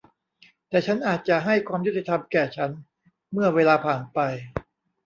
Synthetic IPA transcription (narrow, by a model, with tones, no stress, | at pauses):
t̪ɛː˨˩t͡ɕʰa˦˥nʔaː˨˩t̪̚t͡ɕa˨˩ʔɦa˥˩jkʰwaː˧mju˦˥t̪i˨˩t̪ʰa˧mkɛː˨˩t͡ɕʰa˦˥n | mɯ˥˩ɐweː˧laː˧pʰaː˨˩npa˧j